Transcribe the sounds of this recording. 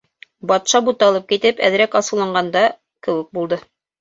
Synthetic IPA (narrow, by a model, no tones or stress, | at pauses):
bɑt̪ʃɑbut̪ɑlˠɤp̚kit̪ɘpæ̰ð̆ɾækɑsɤ̆wlˠɑɴɢɑnd̪ɑ | kɘ̆wɘk̚bulˠd̪ɤ